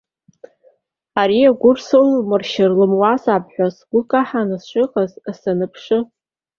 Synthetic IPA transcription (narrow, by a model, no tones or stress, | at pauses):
aɾiaɡʷʊrsɨllmɨrʃɪrlɨmwazapʰʼħʷᶣasɡ̥ʷʊkʼaħanɨsʃʷʼɨqʼazasanɨpʰʂɨ